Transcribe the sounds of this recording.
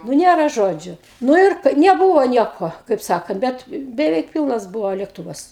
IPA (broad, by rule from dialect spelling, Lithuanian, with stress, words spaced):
nʊ ˈnʲeːrɐ ˈʒoːd͡ʒʲʊ ˈnʊ ɪr nʲɛˈbuːʋoː ˈnʲiɛkoː kɐɪp ˈsɑːkɐnt ˈbʲɛt bʲɛˈʋʲɛɪk ˈpʲɪlˠnɐs ˈbʊʋoː lʲeːkˈtʊʋɐs